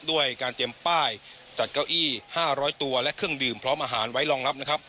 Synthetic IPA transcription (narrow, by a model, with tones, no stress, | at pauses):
du˥˩əjkaː˧nt̪i˧əmpaː˥˩j | t͡ɕa˨˩t̪̚ka˥˩wʔiː˥˩haː˥˩ɾɔː˦˥jt̪u˧ɐlɛ˦˥ʔkʰɯ˥˩əŋdɯː˨˩mpʰɾɔː˦˥mʔaː˧ɦaː˩˦nwa˦˥jlɔː˧ŋla˦˥p̚na˦˥kʰa˦˥p̚